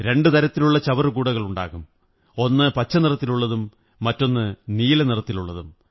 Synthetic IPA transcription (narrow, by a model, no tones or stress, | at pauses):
ɾe̞ɳɖɨt̪ɐɾɐt̪ːiluɭːɐt͡ɕɐʋɐrɨkuːɽɐɣɐɭuɳɖa̰ːɣum | o̞nːɨpɐt͡ɕːɐnirɐt̪ːiluɭːɐðumː | ɐtːo̞nːɨniːlɐnirɐt̪ːiluɭːɐðum